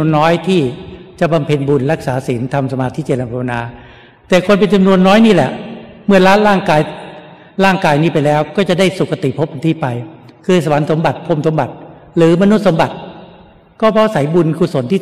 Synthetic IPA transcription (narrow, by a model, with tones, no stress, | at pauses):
ənːɔː˦˥jt̪ʰiː˥˩t͡ɕa˨˩ba˧mpʰe˧nbu˧nɾa˦˥k̚saː˩˦si˩˦nt̪ʰa˧msa˧maː˧t̪ʰi˦˥t͡ɕe˨˩t̪̚na˧˩pʰa˧wa˧naː˧ | t̪ɛː˨˩kʰo˧npe˧nt͡ɕa˧mnu˧ənːɔː˦˥jniː˥˩lɛ̰˨˩ʔ | mɯ˥˩əlaː˦˥nɾaː˥˩ŋkaː˧j | laː˥˩ŋkaː˧jniː˦˥˩pa˧jlɛː˦˥wkɔː˥˩t͡ɕa˨˩da˥˩jsu˨˩kʰːa˧t̪i˨˩pʰo˦˥p̚ːa˧nt̪ʰiː˥˩pa˧jkʰɯː˧sa˧wa˩˦nso˩˦mba˨˩t̪̚pʰo˧msʰo˩˦mba˨˩t̪̚ | lɯː˨˦ma˧nu˦˥t̪̚so˩˦mba˨˩t̪̚ | kɔː˥˩pʰɔ˦˥sa˩˦jbu˧nkʰuː˧˩so˨˩˦nt̪ʰiː˥˩